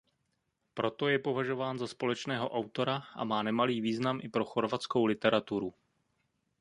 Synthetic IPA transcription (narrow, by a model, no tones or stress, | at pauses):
pɾo̞t̪o̞jɛpo̞vaʒo̞vaːnzaspo̞lɛt͡ʃnɛːɦo̞ʔawt̪o̞ɾaʔa̰maːnɛmaliːviːznamʔɪpɾo̞xo̞ɾvat͡sko̞wlɪt̪ɛɾat̪uɾu